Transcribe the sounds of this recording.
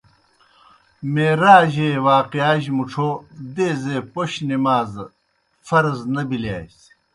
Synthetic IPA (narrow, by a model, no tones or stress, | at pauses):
meːɾaːʑeːwaːqiaːʑmuʈ͡ʂʰod̪eːzepoɕnimaːz | fɐɾɐznɐbiljaːs